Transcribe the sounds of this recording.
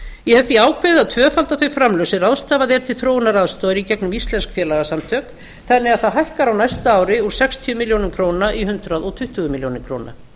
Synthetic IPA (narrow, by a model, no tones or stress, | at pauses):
jɛhɛvt̪iaːwkʰvɪðaðt̪ʰvœːfalt̪aθœɥjfɾamlœwsɪraːwðst̪aːvaðɛɾ̥t̪ʰɪlθɾoːwnaɾaðst̪oːwðɪɾicɛknʏmist̪lɛnskfjɛːlaɣasamt̪ʰœːk | θɛnːɪɣaðθaðɦajhkaɾawnajst̪aaːwɾɪuɾ̥sɛkst̪ʰiʏmiljownʏmkʰɾownaʔihʏnt̪ɾaðɔɣt̪ʰʏht̪ʏɣʏmiljownɪkʰɾoːwna̰